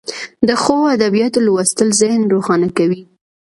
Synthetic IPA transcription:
d̪əxoad̪abijɑt̪olwast̪əlzahnɾoxɑnakawi

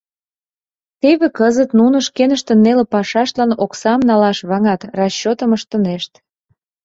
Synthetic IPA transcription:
t̪eβekəzət̪nunə̆ʃkenəʃt̪ə̆nːelepɑʃɑʃt̪lɑnoksɑmnɑlɑʃβɑŋɑt̪rɑɕːot̪əməʃt̪ə̆neʃt̪

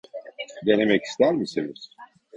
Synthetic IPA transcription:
d̪e̞ne̞mɛci̥st̪æɾmisiniz̥

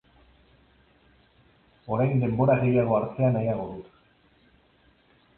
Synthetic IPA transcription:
o̞ɾajnd̪e̞mbo̞ɾaɣe̞jaɣ̞o̞aɾt̪eanajaɣ̞o̞ðut̪

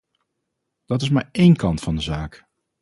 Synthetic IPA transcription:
d̥ɑtɪs̬maːɹejnkɑntfɑndəzaːk

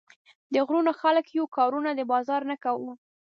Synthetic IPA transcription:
d̪əɣɾunoxaləkjukɑɾunad̪əbɑzɑɾnakawu

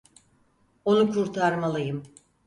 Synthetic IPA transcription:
o̞nukʰuɾt̪ʰaɾmalˠɯjɯm

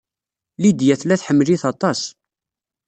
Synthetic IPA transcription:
lid̪jæθlæθħəmːliθɑt̪ˤɑs

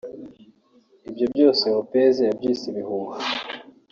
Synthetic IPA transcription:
ibjo̞bjo̞ːse̞βopezeabɟiːsiβihuβu

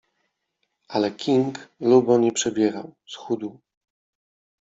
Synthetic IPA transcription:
alɛkʲʰiŋklubɔɲɛpʂɛbʲjɛɾa̰wsxud̪u

